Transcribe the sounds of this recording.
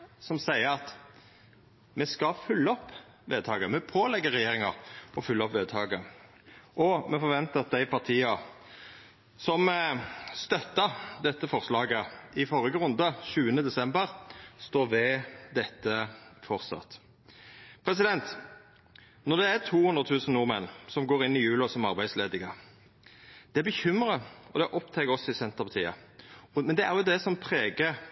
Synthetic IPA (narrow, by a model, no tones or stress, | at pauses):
sɔmsæɪəɾɑt̪ | mɛskɑfʉlːəɔpː | ʋeːd̪̚t̪ɑːɡəmɛpʰoːlɛɡːəʁɛjeːʁɪŋɑʁɔfʉlːəɔpʋeːd̪t̪ʰɑːɡə | ʔɔmɛfɔʁʋɛnt̪əɑt̪̚d̪æɪpɑʁt̪ʰiːɑ | sɔm | st̪œt̪ːəd̪ɛt̪ːəfɔʁslɑːɡəɪfɔʁəɡəʁʉnd̪əʃʉːənəd̪ɛsɛmbəʁst̪oːʋɛd̪ɛt̪ːəfɔʁsɑ̰t̪ | pʰɾɛs̬ɪd̪ɛnt̪ | nɔʁd̪ɛæt̪ʰuːhʉnd̪ʁət̪ʰʉːsən̩nuːʁmɛnːsɔmɡoːɾɪnːɪjʉːlɔsɔmɑʁbæɪsleːd̪ɪŋə | d̪̥ɛæbəçʏmɾəɔd̪ɛʔɔpt̪ʰɛɡəɔsːɔɪsɛnt̪əʁpɑt̪ʰiːə̰mɛnd̪ɛæʁjʊd̪ɛsɔmpʰʁeːɡə